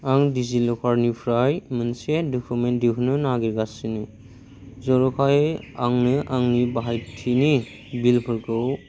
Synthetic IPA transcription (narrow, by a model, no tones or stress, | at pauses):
aŋdizilɔkʰaɾnipʰɾajmɯnsedɔkʰumendiɦʰunɯnaɡiɾɡasɯni | zɔɾɔkʰajaŋnɯaŋnibaɦajtʰini | bilpʰɯɾkɯw